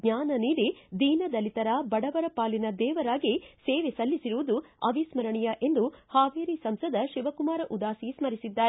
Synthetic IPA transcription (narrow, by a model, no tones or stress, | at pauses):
ɡɲaːnɐniːɾid̪iːnɐd̪ɐlit̪ɐɾaːbɐɽɐʋɐɾɐpaːlinɐd̪ɛːʋɐɾaːɡiseːʋesɐlːisiɾuʋɐd̪uɐ̰ʋismɐɾɐɳijɐʔe̞nd̪uhaːʋeːɾisɐmsɐd̪ɐʃiʋɐkumaːɾɐʔud̪aːsismɐɾisid̪ːaːɾe